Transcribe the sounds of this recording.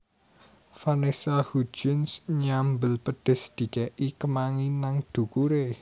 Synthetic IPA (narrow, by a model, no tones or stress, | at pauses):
fanesahu̥d͡ʒ̥ʊ̤nsɲambəlpəɖ̪̥ɪ̤sd̪̥i̤kɛʔikəmaŋinaŋd̪̥ṳkuɾe